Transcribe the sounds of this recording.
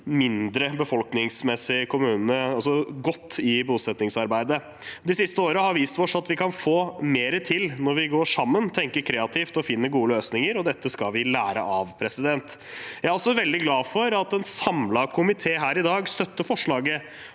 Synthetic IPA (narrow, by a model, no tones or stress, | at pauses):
mɪnd̪ɾəbəfɔlknɪŋsmɛsːɪəkʰʊmʉːnnəɑlsɔɡɔt̪ːɪbuːsɛt̪nɪŋsɑɾbæɪd̪ə | d̪ɪsɪst̪əoːɾəhɑɾʋiːst̪ʋɔʂɑt̪ʋɪkʰɑnfoːmeːɾət̪ʰɪlnɔɾʋɪɡoːʂɑmːənt̪ʰɛŋkəɾkʰɾeːɑt̪ʰiːft̪ɔfɪnːəɡuːəløːsnɪŋəɾɔd̪ɛt̪ːəskɑlʋɪlæːɾə̰ʔɑʋpʰɾɛsɪd̪ɛnt̪jæɪɾɑlsɔʋɛld̪ɪɡlɑːfɔɾɑt̪ɛnsɑmlɑkʰʊmɪt̪ʰeːɦæːɾɪd̪ɑːɡst̪œt̪ːəfɔʂɭɑːɡə